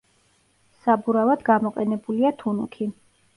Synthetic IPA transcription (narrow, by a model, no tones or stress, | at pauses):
sabuɾavad̪̥ɡamɔqʼɛnɛbuliat̪ʰunukʰi